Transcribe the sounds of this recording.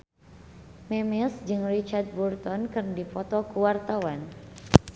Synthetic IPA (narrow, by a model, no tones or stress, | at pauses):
mɛmɛsd͡ʒɨŋrit͡ʃard̪̚bɔrt̪ɔnkɨrndipɔt̪ɔkuwart̪awan